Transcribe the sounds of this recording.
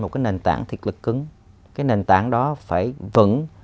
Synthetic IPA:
mo˨˩t̚kaː˨˦jne˨˩nt̪aː˧˩ŋt̪ʰi˨˩ət̚lɨ˨˩kːɨ˨˦ŋ | kaː˨˦jne˨˩nt̪aː˧˩ŋɗɔ˨˦faː˧˩jvɨ̰˧˥ŋ

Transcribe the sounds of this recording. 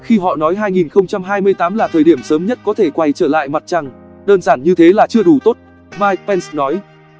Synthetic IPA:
xi˧ɦɔ̰˧˨nɔ˨˦jɦaː˧jŋi˨˩nxə˧wŋ͡mt͡ɕa˧mɦaː˧jmɨ˧əjt̪aː˨˦mlaː˨˩t̪ʰəː˨˩jɗi˧˩əmsəː˨˦mɲə˦˥t̚kɔ˨˦t̪ʰe˧˩kwa˧jt͡ɕəː˧˩la̰ː˧˨jma˨˩t̚t͡ɕa˧˩ŋ | ɗəː˧nzaː˧˩nɲɨ˧t̪ʰe˨˦laː˨˩t͡ɕɨ˧əɗu˧˩t̪o˦˥t̚ | maː˧jk̚pɛ˧nsnɔ˨˦j

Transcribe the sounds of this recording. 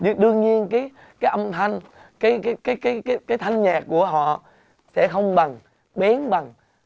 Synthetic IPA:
ɲɨ˧˦ɗɨ˧əŋɲi˧ənkaː˨˦j | kaː˨˦jʔə˧mt̪ʰa˧jŋ̟kaː˨˦jkaː˨˦jkaː˨˦jkaː˨˦jkaː˨˦jkaː˨˦jt̪ʰa˧jŋ̟ɲaː˨˩kːu˧˩əɦɔ̰˧˨ | sɛ̰˧˥xə˧wŋ͡mɓa˨˩ŋ | ɓɛ˨˦nɓa˨˩ŋ

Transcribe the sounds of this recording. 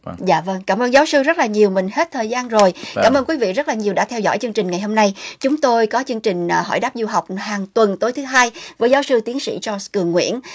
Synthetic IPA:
za̰ː˧˨və˧ŋkaː˧˩mʔəː˧nzaː˨˦wsɨ˧zə˦˥t̚laː˨˩ɲi˨˩əwmï˨˩ŋ̟he˦˥t̚t̪ʰəː˨˩jzaː˧nzo˨˩jkaː˧˩mʔəː˧nkwi˨˦vḭ˧˨zə˦˥t̚laː˨˩ɲi˨˩əwɗa̰ː˧˥t̪ʰɛ˧wzɔ̰˧˨jt͡ɕɨ˧əŋt͡ɕï˨˩ŋ̟ŋa˨˩jho˧mna˧jt͡ɕʊ˨˦ŋ͡mt̪o˧jkɔ˨˦t͡ɕɨ˧əŋt͡ɕï˨˩ŋ̟˨˩ɦɔ̰˧˩jɗaː˦˥p̚zu˧ɦa˨˩wk͡p̚haː˨˩ŋt̪wə˨˩nt̪o˨˦jt̪ʰɨ˨˦ɦaː˧jvəː˨˦jzaː˨˦wsɨ˧t̪i˨˦ənsḭ˧˥t͡ɕɔ˧skɨ˨˩əŋːwḭ˧˥ən

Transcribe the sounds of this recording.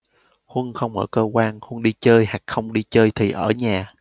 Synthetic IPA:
hwə˧nxə˧wŋ͡mʔəː˧˩kəː˧kwaː˧nhwə˧nɗi˧t͡ɕəː˧jha˨˩k̚xə˧wŋ͡mɗi˧t͡ɕəː˧jt̪ʰi˨˩ʔəː˧˩ɲaː˨˩

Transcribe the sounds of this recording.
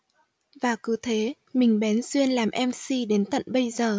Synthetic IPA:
vaː˨˩kɨ˨˦t̪ʰe˨˦ | mï˨˩ŋ̟ɓɛ˨˦nswi˧ənlaː˨˩mʔɛ˧msi˧ɗe˨˦nt̪ə̰˧˨nɓə˧jzəː˨˩

